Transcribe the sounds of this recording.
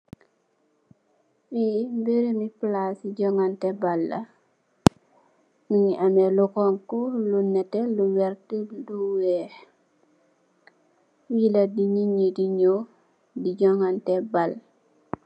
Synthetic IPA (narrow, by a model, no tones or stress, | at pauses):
fiːmbeɾemiplasiɟɔŋantɛbalːɐ̰ | miŋiʔamɛlukɔŋkulunɛtɛluwɛɾtiduwɛː | wiladiɲiɲediɲo | diɟɔŋantɛbal